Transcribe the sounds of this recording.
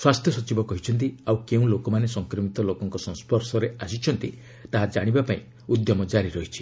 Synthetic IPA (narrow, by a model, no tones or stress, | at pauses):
swast̪ʰjɔsɔt͡ʃibɔkɔɦit͡ʃʰɔnt̪̬iawkeũlokɔmanesɔŋkɾɔmit̪ɔlokɔŋkɔsɔ̃ŋ̃spɔɾsɔɾeasit͡ʃʰɔnt̪i | t̪aɦad͡ʒaɽ̃ibapaĩ | ud̪jɔmɔd͡ʒaɾiɾɔɦit͡ʃʰi̥